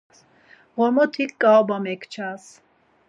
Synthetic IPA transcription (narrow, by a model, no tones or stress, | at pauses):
s | ʁɔɾmɔt̪ʰikːaɔbamɛkʰt͡ʃʰas